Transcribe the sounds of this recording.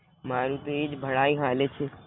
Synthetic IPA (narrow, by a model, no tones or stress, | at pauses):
maːɾut̪oeːd͡ʒbʱəɽaːiɦaːlet͡ʃʰe